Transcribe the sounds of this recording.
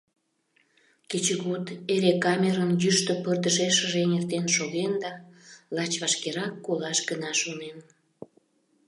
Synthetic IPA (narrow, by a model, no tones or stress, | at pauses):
ket͡ɕəɣot̪eɾekɑmʲeɾənjyʃt̪əpərd̪əʒeʃəʒenert̪enʃoɣend̪ɑlɑt͡ɕβɑʃkeɾɑkːolɑʃɡənɑʃonen